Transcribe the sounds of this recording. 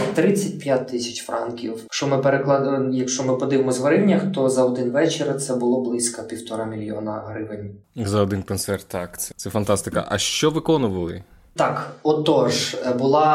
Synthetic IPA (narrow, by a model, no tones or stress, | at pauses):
t̪ɾɪt͡sʲːɐt̚ʲpjat̚ʲt̪ːɪsʲɐt͡ʃfrʔɑ̰nkʲiwkʃt͡ʃɔmɪpeɾeklˠɑd̪jɐkʃt͡ʃɔmɪpɔd̪ɪʋemɔzʋɐɾɪnʲːɐxt̪ɔzɐɔd̪ɪnʋɛt͡ʃeɾɐt̪sɛbʊlˠɔblˠɪsʲkɐpʲiwt̪ɔɾɑmʲilʲjiɔ̰nɐ̰ɦɾɪʋɪnʲzɐɔd̪ɪnkɔnsɛrt̪ːɑkt̪sɛt̪sɛfɐnt̪ɑst̪ɪkɐ̰ʔɐʃt͡ʃɔʋɪkɔnʊʋɐlˠɪ̰ | t̪ɑkɔt̪ɔʒbʊlˠɑ